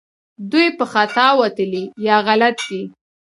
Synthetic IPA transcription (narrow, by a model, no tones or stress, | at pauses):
d̪ujpəxat̪ɑwat̪əlijɑɣalat̪ɡi